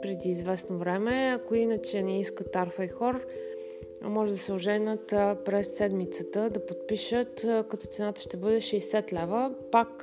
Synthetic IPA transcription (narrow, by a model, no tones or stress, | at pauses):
pɾɛd̪iːzvɛsnovɾɛmɛɐkoinət͡ʃɛnɛiskət̪aɾfəixɔɾ̰ | mɔʒɛd̪ɐsɛʊʒɛnət̪pɾɛsːɛd̪mit̪sət̪əd̪ɐpot̪̚piʃət̪kɐt̪ɔt̪sɛnat̪ə̥ʃt̪ɛbɤd̪ɛʃɛjsɛt̪lɛvəpak